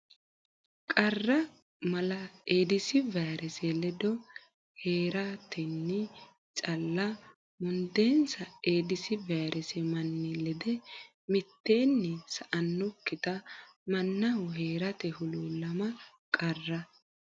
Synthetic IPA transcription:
kʼɐrːɐ | mɐlɐeːd̪ɪsɪvɛɾɛsɛlɛd̪ɔ | heːɾɐt̪ʰɛnːɪ | t͡ʃʼɐlːɐ | mʊnd̪e̞ːnsɐeːd̪ɪsɪvajɾʔɛsɛmɐnːɪlɛd̪ɛ | mɪt̪ːe̞ːnːɪsɐʔɐnːʊkːɪt̪ɐmɐnːɐwʊɦeːɾɐt̪ɛhʊluːlɐmɐ | kʼɐrːɐ

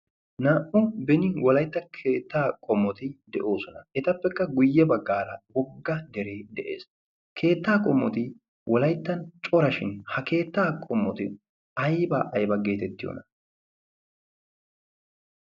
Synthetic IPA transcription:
naːʔɔbɛnɪwɔlɐjt̪ːɐkʰe̞ːt̪ːaːkʼɔmːɔt̪ɪd̪ɛʔo̞ːsɔnɐɛt̪ɐpːɛkːɐɡʊjːɛbɐɡːaːɾɐwɔɡːɐd̪ɛɾe̞ːd̪ɛʔḛːs | kʰe̞ːt̪ːaːkʼɔmːɔt̪ɪ | wʔɔlɐjt̪ːɐnt͡ʃʼɔɾɐʃɪnhɐke̞ːt̪ːaːkʼɔmːɔt̪ɪ | ɐjbɐ̰ʔɐjbɐɡe̞ːt̪ɛt̪ːɪjo̰nɐ

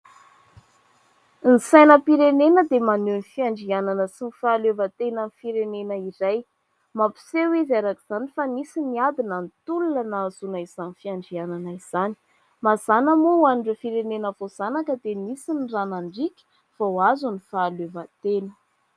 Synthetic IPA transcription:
nisajnəpiɾenenəd̪emanenifiaɳɖ͡ʐiananəsinifaːlevət̪enənifiɾenenəiɾaj | mapi̥sewezaɾakiz̥anifanisiniad̪inənt̪ululanazunaiz̥anifiaɳɖ͡ʐiananaiz̥ani̥ | mazanəmowanɖ͡ʐufiɾenenəvoz̥anakəd̪enisinranaɳɖ͡ʐikʲi̥ | vawazunifaːlevət̪enə̥

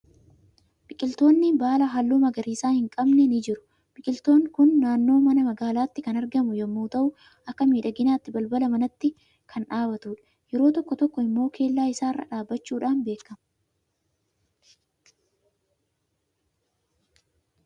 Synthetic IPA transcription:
bɪkʼɪlt̪o̞ːnːɪbaːlɐɦɐlːuːmɐɡɐɾiːsaːhɪŋkʼɐbnɛnɪd͡ʒɪɾʊ̥ | b̥ɪkʼɪlt̪o̞ːŋkʊnːaːnːo̞ːmɐnɐmɐɡaːlaːt̪ːɪkɐnɐɾɡɐmʊjɐmːuːt̪ɐʔʊ | ʔɐkːɐmiːᶑɐɡɪnaːt̪ːɪbɐlbɐlɐmɐnɐt̪ːɪ | kʰɐnᶑaːbɐt̪uːᶑɐ̥ | jɛɾo̞ːt̪ɔkːɔt̪ɔkːɔɪmːo̞ːkʰe̞ːlːaːɪsaːɪrːɐ̰ᶑaːbːɐt͡ʃːuːᶑaːnbe̞ːkːɐmɐ

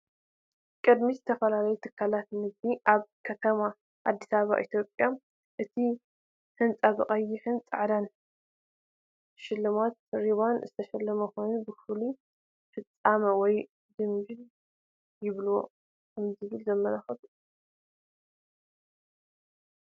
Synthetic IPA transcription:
kʼɨd̪mizɨt̪ʰɐfɐlalɐjut̪ʰɨkʰːalat̪nɨzd̪iʔaβkʰɐt̪ʰɐma | ʔad̪ːisaβa̰ʔit̪jo̞pʼja | ʔɨt̪ʰi | ħɨnt͡sʼaβɨχʼɐjːiħɨnt͡sʼʕd̪an | ʃɪlːɨmat̪̚ɾiβanzɨt̪ʰɐʃɛlːɐmɐxojnubɨfɨlu | fɨt͡sʼːamɐwɔj | d̪ɨmd͡ʒin | jɪβlo | kʰɐmzɨβɨlzɐmːɐlaxɐt̪u

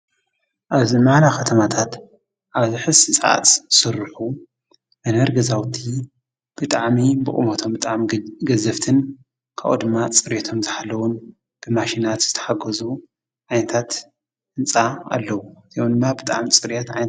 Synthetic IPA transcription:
ʔaβzimaʕlaxɐt̪ʰɐmat̪ʰat̪ | ʔaβzɨħɨsɨsʼa̰ʔa̰t̪sɨɾɨħu | mɐnɐɾɡɐzawt̪ʰi | b̥ɨt̪ʼaʕmibɨkʼɨ̰mot̪ʰo̞mbɨt̪ʼaʕmiɡɐzɐft̪ʰɨn | kʰa̰ʔṵd̪ɨmːat͡sʼɨɾet̪ʰo̞mzɨħalːɐwun | b̥ɨmaʃinat̪z̥ɨt̪ʰɐ̥ħaɡɐzu | ʕajnɐt̪ʰat̪ | ʔɨnt͡sʼaa̰lːɐwuz̥ijomd̪ɨmːabɨt̪ʼa̰ʕmit͡sʼɨɾjɛt̪ʕajnɐ

